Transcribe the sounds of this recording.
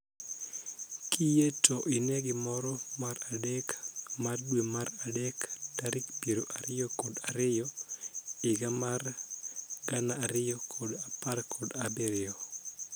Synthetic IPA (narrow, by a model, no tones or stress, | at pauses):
kijetʰoʔineɡɪmɔɾɔmaɾadekmardwemaɾadekd̥aɾɪkpiɾoʔaɾɪjɔkodaɾɪjɔ | ɪɡamar | ɡanaːɾɪjɔkʰɔdaparkʰɔdabɪɾɪɔ